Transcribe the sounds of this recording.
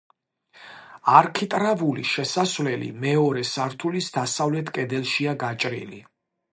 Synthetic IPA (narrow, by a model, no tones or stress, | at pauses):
aɾkʰit̪ʼɾavulḭʃɛsasvlɛlḭmɛɔɾɛsaɾt̪ʰulisd̪asavlɛt̪ʰkʼɛd̪ɛlˠʃiaɡat͡ʃʼɾḭlḭ